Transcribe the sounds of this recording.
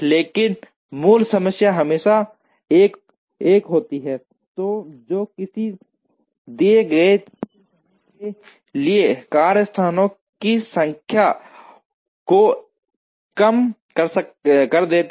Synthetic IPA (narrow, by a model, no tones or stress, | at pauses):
leːkɪn | muːlsəməsjaɦɐmeːʃa | eːk | eːkɦoːt̪iɦɛ | t̪oːd͡ʒoːkɪsi | d̪eːɡɾeeː | ke | liekaːɾəst̪ʰaːnõ | kisə̃ŋkʰja | ko | kɐmkəɾskəɾd̪eːt̪